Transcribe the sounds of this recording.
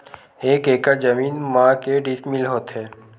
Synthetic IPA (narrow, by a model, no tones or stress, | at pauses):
eːkeːkad͡ʒəmiːnmãːkeɖɪsmɪlɦoːt̪ɦɛː